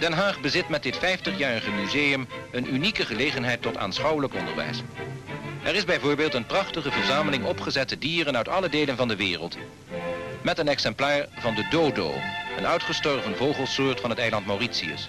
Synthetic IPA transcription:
d̥ɛnɦaːχbəzɪtmɛt̚dɪtfɛjftəχjaːrəχəmyzeːjəmənʔynikəχəlejχənɦɛjtɔta̰ːnsχɑwələkɔndə̰ɹʋɛ̰js | ʔɛrɪzbɛjvʊːɹbeːlˠtənprɑχtəχəvəɹzaːməlɪŋɔpχəzɛtədiːrənœɥtɑlədejlənvɑndəʋɪːrəlˠt | mɛtənɛksɛmplaːɹvɑndədowdo̰ːə̰nœɥtχəstɔɹvənvowχəlˠsʊːɹtfɑnɦətɛjlɑntmawritsiə̰s

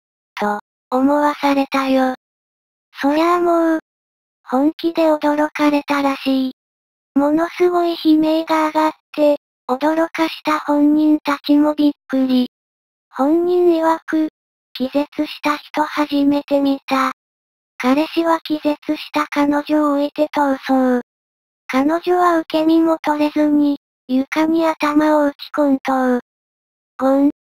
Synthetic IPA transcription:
t̪o̞ː | mo̞βasaɾe̞t̪ajo | so̞ɾamo | hõ̞ŋkʲid̪e̞o̞d̪o̞ɾo̞kaɾe̞t̪aɾaɕiː | mo̞no̞sɨɡo̞içime̞ːɡaːɡat̪ːe̞ | o̞d̪o̞ɾo̞kaɕi̥t̪ahõ̞ɲɲĩnt̪akʲimoɾʲikːɯ̟ɾʲi | hõ̞ɲɲĩiβakɯ̟ | kʲize̞t͡sɨɕi̥t̪açi̥t̪o̞haʑime̞t̪e̞mʲit̪a | kaɾe̞ɕiβakʲize̞t͡sɨɕi̥t̪akano̞ʑoːet̪e̞t̪oɯsoɯ | kano̞ʑo̞βaɯ̟ke̞mʲimo̞t̪o̞ɾe̞zɨɲ̟i | jɯ̟kamʲiat̪amaoɯ̟kʲi̥kõnt̪oɯ | ho

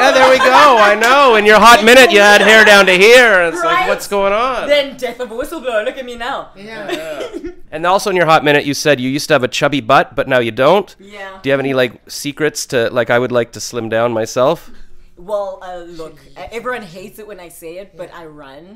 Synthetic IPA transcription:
jæðə˞wiɡoʊaɪnoʊɨ̃njə˞ɦɑt̚mɪ̃ɾ̃ɨt͡ʃɨːd̚ɦɛɹdãʊ̃ntɨɦiɹɨ̃nɨtslaɪkwʌtsɡ̥oʊɪ̃ŋə̃nðɨ̃ndɛθətwɪsl̩ˠblolʊkɨt̚minaʊ | ɨ̃nðɔlˠsoʊɨ̃njə˞ɦɑt̚mɪ̃ɾ̃ɨt͡ʃɨsɛdjɨjʉstɨːvɨt͡ʃʰʌbibʌt̚b̥ʌtⁿnaʊjɨdõʊ̃nt | jd̥ɨjɨːvɛnilaɪksikɹɨtstʰɨlaɪkaɪwɨdˡlaɪk̚tʰɨslɪ̃mdãʊ̃nmaɪsɛlˠfwɛlˠʌlʊkʔɛvɹiwʌ̃nɦeɪtsɨt̚wɨ̃naɪseɪɪt̚b̥ʌɾa̰ɪɹʌ̃n

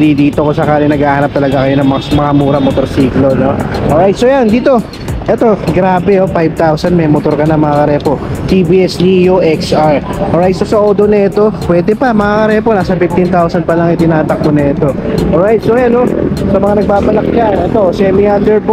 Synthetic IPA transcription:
d̪id̪iːt̪okosɐkaːlɪŋnɐɡaːhɐnɐp̚t̪ɐlɐɡakɐjonɐŋmɐamɐŋamuːɾɐmot̪oɾsiːklonoʔoːɹajt̪̚sojand̪iːt̪o̞ | ʔɛt̪o̞ɡɾaːbɛofajb̚t̪awsɐnmɛjmot̪o̞ɾkɐnɐmɐŋakɐɾɛːpo̞t̪ibiːʔɛsnijoʔɛksʔaɹʔoɹajt̪̚sosɐʔoːd̪onɐɛt̪o̞pwɛːd̪ɛpɐmɐŋakɐɾɛːpo̞naːsɐfift̪ɪnt̪awsɐn̚pɐlɐŋɪt̪ɪnaːt̪ɐk̚k̪onɐɛt̪o̞ʔolɹajt̪̚sojanosɐmɐŋanɐɡ̚baːbɐlɐk̚ɲanʔɛt̪osɛmiald̪ɛɹp

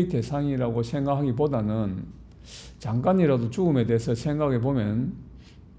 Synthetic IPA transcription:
ite̞sʰaŋiɾaɡosʰe̞ŋɡakɦaɡipodanɯn | t͡ɕaŋk͈aɲiɾadot͡ɕuɡɯme̞de̞esʰʌsʰe̞ŋɡaɡepomjʌn

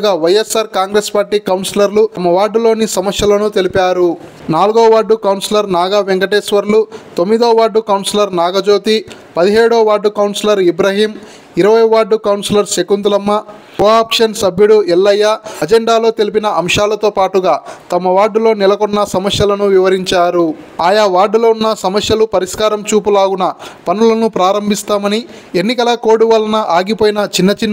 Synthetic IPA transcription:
ɡaːʋɐjesːaːɾkaːŋɡɾeːspaːɾʈiːkɐwnsilɐɾlumɐʋaːɖːulo̞ːnisɐmɐsjɐlɐnut̪e̞lipaːɾu | naːluɡoːʋaːɖːukɐwnsilɐɾnaːɡaʋeŋkɐʈeːsʋɐɾlut̪o̞mːid̪oːʋaːɖːukɐwnsilɐɾnaːɡɐd͡ʒoːt̪i | pɐd̪iɦɛːɽoːʋaːɖːukɐwnsilɐɾibɾɐɦiːm | iɾɐʋɐjʋaːɖːukɐwnsilɐɾsekunt̪ulɐmːɐ | koːaːpʂɐnsɐbjuɽuɛlːɐjːaɐd͡ʒeɳɖaːlo̞ːt̪elip̬inɐʔɐmʂaːlɐt̪o̞ːpaːʈuɡaːt̪ɐmɐʋaːɖːulo̞ːnɛlɐkɔnːɐsɐmɐsjɐlɐnuʋiʋɐɾiɲt͡ʃaːɾuaːjɐʋaːɖuloːunːɐsɐmɐsjɐlupɐɾiskaːɾɐmt͡ʃuːpulaːɡunɐpɐnulɐnupɾaːɾɐmbʱist̪aːmɐni | e̞nːikɐlɐko̞ːɽuʋɐlɐnɐʔaːɡipoːjinɐt͡ʃinːɐt͡ʃinː

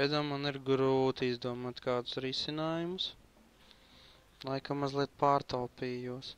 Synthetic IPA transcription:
ɛd̪ammaniɾɡɾuːt̪iizd̪uɔmaːt̪kaːd̪ʊ̥sɾisinaːjumʊs | lˠajkamazlˠiɛt̪̚paːɾt̪alpiːjuɔs

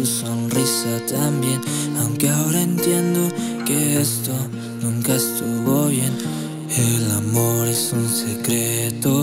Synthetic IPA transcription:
usonrisat̪ambje̞nawŋkeaoɾaent̪je̞nd̪okeest̪o | nũŋkaest̪uɣoβje̞n | elamo̞ɾesunsekɾet̪o

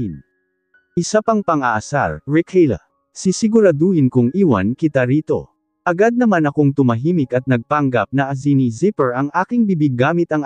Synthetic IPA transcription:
n | ʔɪsapɐŋpɐŋʔaʔɐsa̰ɾɹɛkʰɛlɐ̰ | sisɪɡʊɾɐd̪uhɪnkʊŋʔiːwɐ̰nkɪt̪aɾiːt̪o̞ | ʔɐɡad̪̚nɐmanɐkoŋt̪ʊmɐɦiːmɪkɐt̪̚nɐɡ̚paŋɡap̚nɐʔɐzinizɪpɛɹʔɐŋʔaːkɪŋbibɪɡaːmɪt̪ɐŋ

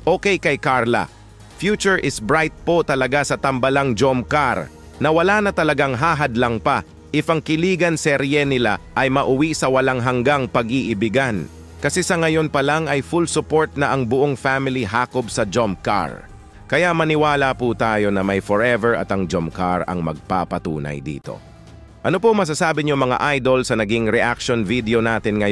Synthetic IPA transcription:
ʔoːkɛjkɐjkaɹlɐ̰ | fjuːt͡ʃʊɹʔɪsbɹajt̪̚pot̪ɐlɐɡasɐt̪ɐmbɐlaŋd͡ʒomkaɾ | nɐwɐlaːnɐt̪ɐlɐɡaŋɦaːɦɐd̪lɐŋpɐ | ʔɪfɐŋkɪliːɡɐnsɛɾjɛnɪla̰ʔɐjmɐʔʊwisɐwɐlaŋɦɐŋɡaŋpɐɡʔiʔɪbɪɡan | kɐsɛsɐŋɐjo̞npɐlaŋɐjfulsʊpo̞ɹt̪̚nɐʔɐŋbʊʔoŋfamɪliɦaːkobsɐd͡ʒomka̰ɹ | kɐjaʔmɐnɪwaːlɐput̪aːjo̞nɐmɐjfoɹʔɛvɛɹʔɐ̰t̪ɐŋd͡ʒomkaɹɐ̰ŋmɐ̰ɡ̚pa̰pɐt̪ṵːnɐ̰jd̪ḭːt̪o̞̰ | ʔɐno̞pomɐs̬asaːbɪɲomɐŋa̰ʔajd̪o̞lsɐnɐɡiŋɾɛʔak̚ʃonvid̪ɛo̞naːt̪ɪnŋɐj

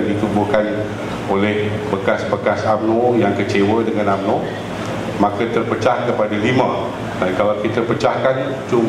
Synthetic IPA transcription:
ŋdit̪ubuhkan | olɛh | bəkasbəkasam̚nojaŋkət͡ʃewədəŋãnamno | mãkət̪ərpət͡ʃahkəpadalimã | dankalawkit̪əpət͡ʃahkan | t͡ʃum

